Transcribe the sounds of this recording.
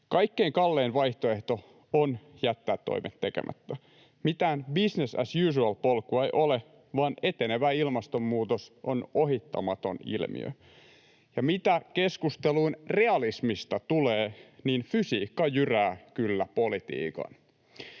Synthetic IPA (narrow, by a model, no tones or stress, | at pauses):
kɑjkːe̞iŋkɑlːe̞ːnʋɑjht̪oe̞ht̪o̞ | onjæt̪ːæːt̪ːo̰ijmʔet̪tːe̞kḛmʔæ̰t̪ːæ | mit̪æːnbisnesæ̰sjyːs̬uɑlpolkuɑejʔo̞le | ʋɑːne̞t̪e̞ne̞ʋæilmɑst̪o̞mːuːt̪osʔo̞noɦit̪ːɑ̰mɑt̪o̞̰nḭlmḭø̰ | jɑmit̪æke̞skust̪eluinre̞ɑlismist̪ɑt̪uleːniːnfysiːkːɑjyræːkylːæpo̞lit̪ḭːkɑ̰n